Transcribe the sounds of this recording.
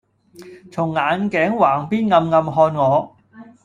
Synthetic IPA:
t͡sʰʊ˨˩ŋːaː˨˧nkɛː˨˥ŋwaː˨˩ŋpiː˥nŋɐ˧mŋɐ˧mɦɔː˧nŋɔː˨˧

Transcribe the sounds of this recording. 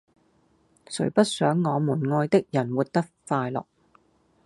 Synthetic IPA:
sɵ̰˨˩ɥpɐ˥t̚sœː˨˥ŋːɔː˨˧mu˨˩nŋɔː˧jt̪ɪ˥k̚jɐ˨˩nwu˨t̚t̪ɐ˥k̚faː˧jlɔ̰ː˨k̚

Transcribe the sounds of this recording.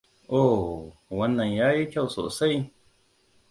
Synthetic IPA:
ʔoː˦˨wa˧nːã˨njaː˦ji˦kʲa˦˨wso̰˨sa˦˨j

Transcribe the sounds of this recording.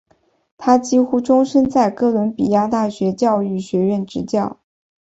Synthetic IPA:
t̪ʰa˥t͡ɕi˥xu˥ʈ͡ʂʊ˥ŋʂə˥nt͡sa˥˩ɪkɤ˥˩lwə˧˥npi˨˩ja˥˧t̪a˥˩ɕɥɛ˧˥t͡ɕjɑ˥˧ʊy˥˩ɕɥɛ˧˥ɥɛ˥˩nʈ͡ʂɻ̩˧˥t͡ɕjɑ˥˩ʊ

